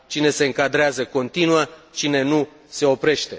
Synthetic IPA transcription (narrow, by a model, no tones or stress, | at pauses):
t͡ʃine̞se̞ɨŋkad̪ɾeazəko̞nt̪inuat͡ʃine̞nu | se̞o̞pɾe̞ʃt̪e̞